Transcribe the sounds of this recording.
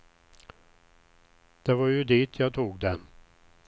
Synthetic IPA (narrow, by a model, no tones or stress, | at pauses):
d̪̥ɛvɑɾjɵd̪iːt̪ʰjɑːt̪ʰuːɡd̪ɛn